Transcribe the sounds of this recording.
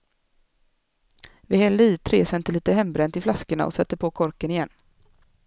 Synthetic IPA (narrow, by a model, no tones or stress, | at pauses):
vɪhɛlliːt̪ʰɾeːsɛnt̪əliːt̪əhɛmbɾɛnt̪ʰɪlflaskəɳa̰ʔɔ̰sɛt̪ːəɾpʰoːkʰɔɾkənɪjɛnː